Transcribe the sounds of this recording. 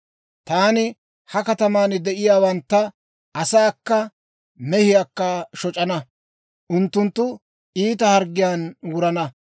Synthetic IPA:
t̪aːnɪ | hɐkɐt̪ɐmaːnd̪ɛʔɪjaːwɐnt̪ːɐ | ɐsaːkːɐ | mɛhɪjaːkːɐʃɔt͡ʃʼɐnɐ | ʔʊnt̪ːʊnt̪ːʊ | iːt̪ɐhɐɾɡːɪjaːnwʊɾɐnɐ

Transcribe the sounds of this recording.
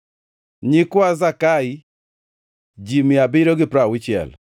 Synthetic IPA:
ɲɪkwazakai | d͡ʒimɪabɪɾoɡɪpɾawɪt͡ʃɪɛ̰l

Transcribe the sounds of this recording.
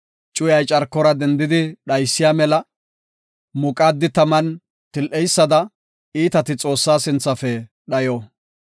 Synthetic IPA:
t͡ʃʼʊjɐjt͡ʃʼɐɾkːɔɾɐd̪ɛnd̪ɪd̪ɪɗɐjsːɪjaːmɛlɐ | mʊkʼaːd̪ːɪt̪ɐmɐn | t̪ɪlʔɛjsːɐd̪ɐ | iːt̪ɐt̪ɪt͡sʼo̞ːsːaːsɪnt͡sːɐfɛ | ɗɐjoː

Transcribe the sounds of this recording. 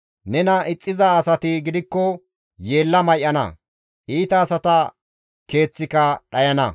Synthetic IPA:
nɛnɐʔɪt͡sʼːɪzɐːsɐt̪ɪɡɪd̪ɪkːɔ | je̞ːlːɐmɐjʔɐnɐ̰ | ʔiːt̪ɐːsɐt̪ɐ | ke̞ːt͡sːɪkɐɗɐjɐnɐ̰

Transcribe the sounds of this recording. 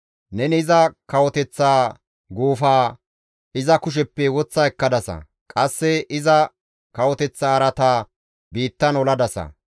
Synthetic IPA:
nɛnɪzɐkɐwɔt̪ɛt͡sːaː | ɡuːfaː | ʔɪzɐkʊʃ̬ɛpːɛwɔt͡sːɐɛkːɐd̪ɐsɐ̰ | kʼɐsːɛɪzɐ | kɐwɔt̪ɛt͡sːaːɾɐt̪aː | biːt̪ːɐnɔlɐd̪ɐsɐ̰

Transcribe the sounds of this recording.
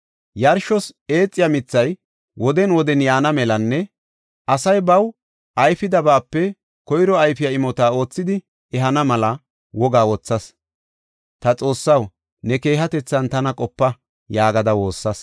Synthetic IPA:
jɐɾʃɔse̞ːt͡sʼːɪjɐmɪt͡sːɐj | wɔd̪ɛnwɔd̪ɛnjaːnɐmɛlɐnːɛ | ʔɐsɐjbɐw | ʔɐjfɪd̪ɐbaːpːɛ | kɔjɾɔɐjfɪjaɪmɔt̪aːo̞ːt͡sːɪd̪ɪ | ɛɦɐnɐmɐlɐ | wɔɡaːwɔt͡sːɐs | t̪ɐt͡sʼo̞ːsːɐw | nɛke̞ːɦɐt̪ɛt͡sːɐnt̪ɐnɐkʼɔpːɐ | jaːɡɐd̪ɐwo̞ːsːɐs

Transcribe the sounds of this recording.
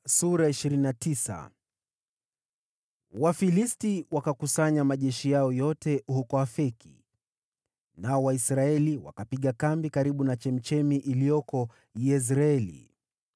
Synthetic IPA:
suɾaiʃiɾininatisa̰ | wafilistiwakakusaɲamaʄɛʃijaɔjɔtɛhukɔafɛki̥̰ | naɔwaisɾaɛliwa̰kapiɠakambikaɾiɓunat͡ʃɛm̩t͡ʃɛmiʔilijɔkɔ | jɛs̬ɾaɛlḭ

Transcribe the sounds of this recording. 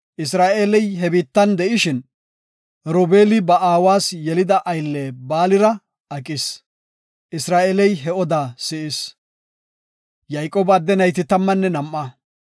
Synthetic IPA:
ʔɪsɾaːʔeːlɛjɦɛbiːt̪ːɐnd̪ɛʔɪʃɪn | ɾoːbe̞ːlɪbɐʔaːwaːsjɛlɪd̪ɐʔɐjlːeːbaːlɪɾɐ | ɐkʼɪs | ʔɪsɾaːʔeːlɛjɦɛʔɔd̪aːsɪʔɪs | jɐjkʼːoːbɐd̪ːɛnɐjt̪ɪt̪ɐmːɐnːɛnɐmʔːɐ

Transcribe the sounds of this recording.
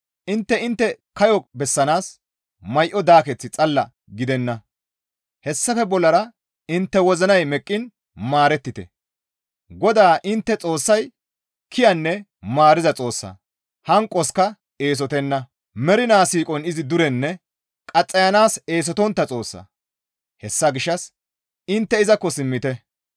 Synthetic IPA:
ʔɪnt̪ːɛɪnt̪ːɛkɐjɔbɛsːɐnaːs | mɐjʔɔd̪aːkɛt͡sːɪt͡sʼɐlːɐ | ɡɪd̪ɛnːɐ | hɛsːɐfɛbɔlːɐɾɐ | ɪnt̪ːɛwɔzɐnɐjmɛkʼːɪn | maːɾɛt̪ːɪt̪ɛ̰ | ɡɔd̪aːʔɪnt̪ːɛt͡sʼo̞ːsːɐj | kʰɪjɐnːɛ | maːɾɪzɐt͡sʼo̞ːsːɐ̰ | hɐŋkʼːɔskɐ | e̞ːs̬ɔt̪ɛnːɐ | mɛɾɪnaːsiːkʼɔnɪzɪd̪ʊɾɛnːɛ | kʼɐt͡sʼːɐjɐnaːse̞ːs̬ɔt̪ɔnt̪ːɐt͡sʼo̞ːsːɐ̰ | hɛsːɐɡɪʃːɐs | ɪnt̪ːɛɪzɐkːɔsɪmːɪt̪ɛ

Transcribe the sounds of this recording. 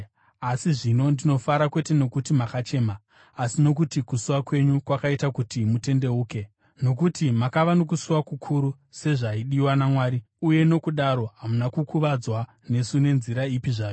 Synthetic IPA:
asiʐino̞ndino̞faɾakwe̞te̞no̞kutimakat͡ʃe̞ːmaː | sino̞kutikusuwakwe̞ɲukwakaitakutimute̞nde̞uːke̞ | no̞k̬utimakaʋanok̬usuwakukʰuɾu | se̞ʐaiɗiwanamwaːɾi | uje̞no̞kuɗaɾo̞ɦamunakukʰuʋad͡zwa | ne̞sune̞nziɾaipiʐaːjo

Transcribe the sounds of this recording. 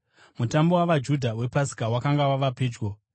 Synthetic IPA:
mutambo̞waʋad͡ʒudʱawe̞pasi̥kawakaŋɡawaʋape̞ːd͡ʒɡo

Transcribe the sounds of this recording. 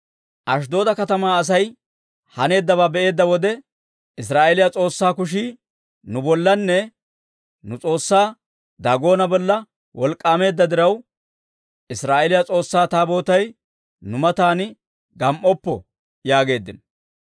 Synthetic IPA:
ʔɐʃ̬d̪o̞ːd̪ɐkɐt̪ɐmaːɐs̬ɐj | hɐne̞ːd̪ːɐβaːbɛʔe̞ːd̪ːɐwɔd̪ɛ | ɪs̬ɾaːʔɛlɪjat͡sʼo̞ːsːaːkʊʃ̬iː | nʊbɔlːɐnːɛ | nʊt͡sʼo̞ːsːaː | d̪aːɡo̞ːnɐbɔlːɐ | wɔlkʼːaːme̞ːd̪ːɐd̪ɪɾɐw | ɪsɾaːʔelɪjat͡sʼo̞ːsːaːt̪aːbo̞ːt̪ɐj | nʊmɐt̪aːn | ɡɐmʔɔpːɔ̰ | jaːɡe̞ːd̪ːɪn

